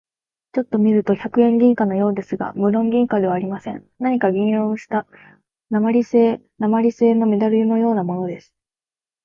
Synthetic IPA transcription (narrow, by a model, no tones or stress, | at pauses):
t͡ɕo̞t̪ːo̞mʲiɾɯ̟t̪o̞çakɯ̟ẽ̞ŋɡʲĩŋkano̞jo̞ːd̪e̞sɨɡa̰mɯ̟ɾõ̞ŋɡʲĩŋkad̪e̞β̞aːɾʲimasẽ̞n | naɲ̟ikaɡʲĩɰɾõ̞ɰ̃ɕi̥t̪a | namaɾʲise̞ː | namaɾʲise̞ːno̞me̞d̪aɾɯ̟ino̞jo̞ːnamo̞no̞d̪e̞sɨ̥